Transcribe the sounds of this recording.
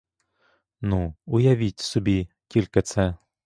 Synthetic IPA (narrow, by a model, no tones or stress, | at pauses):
nuujaʋʲitʲsubʲi | tʲilʲkɐt̪sɛ